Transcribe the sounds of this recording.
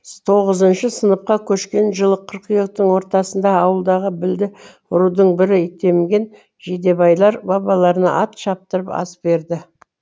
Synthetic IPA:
t̪ʰo̞ʁəzənʃəsənəp̚qɑkʲʰɵʃkʲe̞nʒəlˠəqʰəɾqijəq̚t̪əɴwo̞ɾt̪ɑsənd̪ɑːwəlˠd̪ɑʁəbɪld̪ɪ | ʊɾud̪əɴbɪɾɪɪt̪e̞mɡʲe̞n | ʒed̪e̞bɑjlˠɑɾbɑbɑlˠɑɾənɑ̰ʔɑt̪ʃɑp̚t̪əɾəpɑ̰sbe̞ɾd̪ɪ

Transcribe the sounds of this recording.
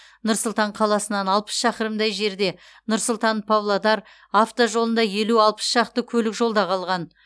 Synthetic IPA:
nʊɾsʊlˠt̪ɑɴqʰɑlˠɑsənɑnɑlˠpə̥sʃɑqəɾəmd̪ɑjʒe̞ɾd̪e̞ | nʊɾsʊlˠt̪ɑnpʰavlˠod̪ɑɾ | aft̪oʒo̞lˠənd̪ɑje̞luɑlˠpə̥sʃɑqt̪əkʲʰɵlɪkʒo̞lˠd̪ɑqʰɑlˠʁɑn

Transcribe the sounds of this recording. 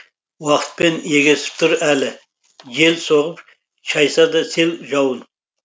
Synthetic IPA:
wɑqə̥t̪̚pe̞njeɡʲesɪ̥p̚t̪ʰʊɾælɪ | ʒe̞lsoʁəp | ʃɑjsɑd̪ɑse̞lʒɑwən

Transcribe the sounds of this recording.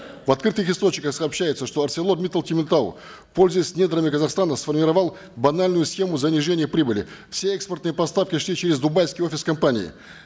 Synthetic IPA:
vɐt̪̚kɾɨt̪ɨxɪst̪o̞t͡ɕɲʲɪkəxsɐːpɕːæjɪt̪səʂt̪o̞ɐrtsʲelˠo̞mʲit̪əlˠt̪ʲɪmʲɪnt̪al̰ | fpo̞lʲzəjɪsʲnʲe̞d̪ɾəmʲɪkəzɐχst̪anəsfərmʲɪɾɐvɑlˠ | bɐnalʲnʊjʊsxʲe̞mʊzɐnʲɪʐenʲɪjəpɾʲibɨlʲɪ̰fsʲe̞ɛkspərt̪nɨjəpɐst̪afkʲɪʂlʲit͡ɕeɾʲɪzd̪ʊbajʲfskʲɪijo̞fʲɪskɐmpanʲɪ̰ɪ̰

